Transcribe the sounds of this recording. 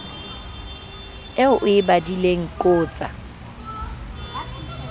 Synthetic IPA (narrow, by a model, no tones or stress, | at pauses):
ɛʊʔʊɪbadileŋ̩kʼʊːt͡sʼa̰